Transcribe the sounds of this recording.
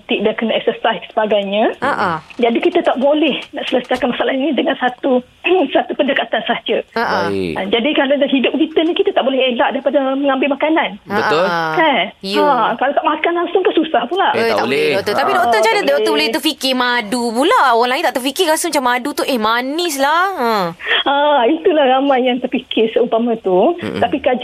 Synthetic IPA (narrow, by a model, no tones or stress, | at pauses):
t̪iʔ̚daʔkənaɛk̚səsaissə̥baɡajɲə̃aʔad͡ʒadikit̪at̪aʔbolɛhnaʔsələsakanmasaʔalahinĩdəŋansat̪u | sat̪upəndəkat̪ansad͡ʒəaʔand͡ʒadikalanɦidʊp̚kit̪ənikit̪at̪aʔbolɛhelaʔdaɾipadaməŋãmbɪlmakananabəʔ̪ʊlkanjakalat̪aʔmakanlaŋsʊŋkansusahpunlaht̪aʔboldot̪ɔt̪apidoʔ̪ət͡ʃanət̪ot̪əbolɛht̪ərfikɪmadupulaoɣaŋlaint̪aʔt̪ərfikɪɾasəmat͡ʃamadut̪uʔehmanɪslahəait̪ulahɾamãjːaŋt̪ərfikʰɪrsəunt̪amə̃t̪ut̪apikad͡ʒ